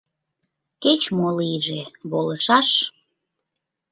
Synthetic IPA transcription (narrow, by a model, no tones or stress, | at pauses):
ket͡ɕmoliʒeβoləʃɑʃ